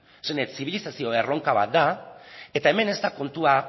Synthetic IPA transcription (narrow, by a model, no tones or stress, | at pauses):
senet̪siβ̞ilisasio̞e̞ro̞ŋkaβa̰t̪̚d̪ae̞t̪ae̞me̞ne̞st̪ako̞nt̪ua